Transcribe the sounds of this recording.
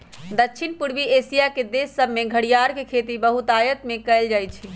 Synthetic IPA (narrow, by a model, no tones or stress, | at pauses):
d̪ətːʃʰinpuɽʋiesijaked̪esəbʱmeɡʱəɽijaɾkekʰet̪ibəɦut̪ajət̪mekəjld͡ʒajt͡ʃʰi